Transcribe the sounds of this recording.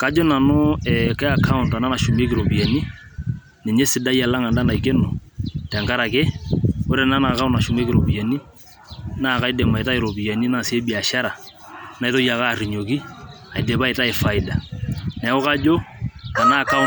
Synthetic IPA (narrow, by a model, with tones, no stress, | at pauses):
ka˨˦d͡ʒo˦na˨nʊ˦ɛkɛ˦a˨kʰa˦u˨nta˨na˦na˨ʃu˨me˦kɪ˨ɾo˨pi˨e˨ni˦ | ne˨ɲe˦sɪ˨da˦ja˨la˦ŋa˨nda˦na˨i˨ke˦no˨tɛ˨ŋka˦ɾa˨ke˦o˦ɾe˨na˦na˨ka˦u˦na˨ʃu˨me˦ki˨ɾo˨pi˨e˨ni˦ | na˦˨ka˦i˦de˨ma˨e˨ta˦ɪ˨ɾo˨pi˨ja˨ni˦na˦˨se˦bi˨a˨ʃa˦ɾa˨ | na˦i˦to˦ja˨ka˦˨ri˨ɲo˨k̬i˦a˨ɪ˨de˨pa˦e˨ta˦e˨fa˨ɪ˨da˨nɛ˨˦o˦ka˦d͡ʒo˦ta˨na˦˨ka˦